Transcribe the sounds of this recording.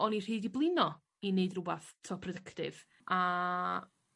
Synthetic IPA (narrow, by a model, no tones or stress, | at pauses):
ɔnir̥iːdiblˠɪnɔ | ineɨdrʊbaθtʰɔpʰrɔdəktɪv̥ | a